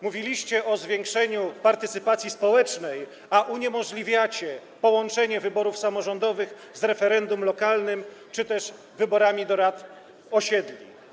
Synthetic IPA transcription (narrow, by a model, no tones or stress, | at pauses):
muvʲilʲiɕt͡ɕɛʔɔzvʲjɛŋkʂɛɲupaɾt̪ɘt̪sɘpat̪sʲjispɔwɛt͡ʂnɛj | aʔuɲɛmɔʐlʲivʲjat͡ɕɛpɔwɔnt͡ʂɛɲɛvɘbɔɾufsamɔʐɔnd̪ɔvɘɣ | zɾɛfɛɾɛnd̪umlɔkalnɘmt͡ʂɘt̪ɛʂ | vɘbɔɾamʲid̪ɔɾat̪ | ɔɕɛd̪lʲi